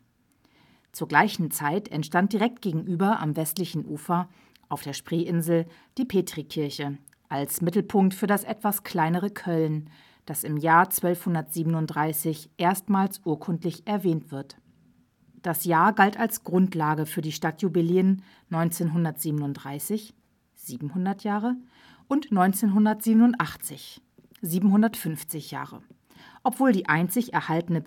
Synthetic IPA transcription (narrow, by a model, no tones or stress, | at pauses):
t͡suːɐɡlaɪçn̩t͡saɪtʰɛ̰ntʃtant̚d̥iʁɛk̚t̚ɡ̥eːɡŋ̩ʔyːbɐʔa̰mvɛstlɪçn̩ʔuːfɐ | ʔaʊfd̥eːɐʃpʁ̥eːʔɪnzl̩ | d̥iːpʰeːtʁ̥ikʰɪɐçə | ʔalsmɪtl̩pʰʊŋk̚tfyːɐdasʔɛtv̥askʰl̥aɪnəʁ̞əkʰœln | d̥asɪmjaːɐt͡sv̥œlfhʊndɐtz̥iːbənʊnt̚d̥ʁaɪsɪçʔeːɐstmaːlsʔuːɐkʰʊntlɪçʔɛɐvɛːntv̥ɪɐt | d̥asjaːɐɡaltalsɡ̥ʁʊntlaːɡəfyːɐdiːʃtatʰjubɪliənː | ɔʏnt͡seːnɦʊndɐtz̥iːbənʊntd̥ʁaɪsɪç | z̥iːbm̩hʊndɐtjaːʁə | ʔʊntnɔʏnt͡seːnɦʊndɐtz̥iːbənʊntʔaχt͡sɪç | ziːbm̩hʊndɐtfʏnft͡sɪçja̰ːʁə̰ | ʔɔpv̥oːldiːʔaɪnt͡sɪçɛɐhaltənə